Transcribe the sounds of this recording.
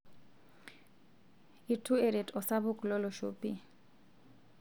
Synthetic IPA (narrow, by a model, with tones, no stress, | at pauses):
i˨tʰu˦e˨ɾe˨dɔ˨sa˦βʊ˦kʼlɔ˦lɔ˨ʃuːpʼi˦